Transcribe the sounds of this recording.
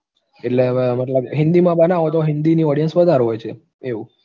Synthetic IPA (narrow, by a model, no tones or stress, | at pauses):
eʈleməʈ̬ləbɦɪ̃nd̪imãbənaʋot̪oɦɪnd̪iniɔɽijənsʋəd̪ʱaɾɦojt͡ʃʰe | eu